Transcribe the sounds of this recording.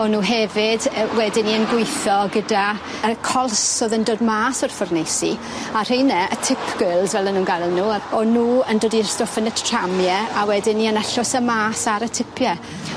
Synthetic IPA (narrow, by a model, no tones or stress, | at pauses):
ɔnuːɦɛvɪdwɛdɪnːiənɡʊjθɔɡəda | əkʰɔlˠsoðəndoːdmaːsɔrfʊrnejsi | ar̥ejnɛətʰɪpʰɡ̥ɪlˠzvɛlənːuːnɡajlˠnuːɔnuːəndoːdirstofənətʰr̥amjɛawɛdɪnːiənaɬʊsəmaːsaɾətʰɪpʰjɛ